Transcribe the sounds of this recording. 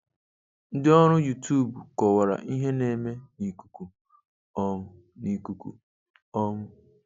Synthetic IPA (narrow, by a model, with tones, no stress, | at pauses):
n̩˦dɪ˦ɔ˦ɾʊ˦ju˨tu˦˨bu˨kɔ˨wa˨ɾa̰˨ʔi˦ɦe˦ne˨me˦ni˨ku̥˨ku˨ | ɔ˦m˦ | ni˨ku˦kṵ˨ | ɔ˦mʊ˦